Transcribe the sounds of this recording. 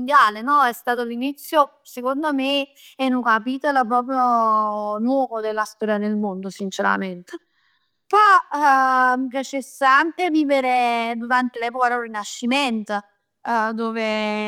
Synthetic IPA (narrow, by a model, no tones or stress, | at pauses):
nd̪jaːlenɔɛst̪aːt̪olinit̪sːjo | sekond̪ome | ɛnukapit̪olap̬ɾɔːp̬ɾjo | nwɔːvod̪elːast̪ɔːɾjad̪elmond̪osint͡ʃeɾa̰ment̪e | pɔ | mip̬jat͡ʃesːaaŋkeviːveɾed̪uɾant̪elɛːpokad̪orːinaʃːiment̪ | d̪oːve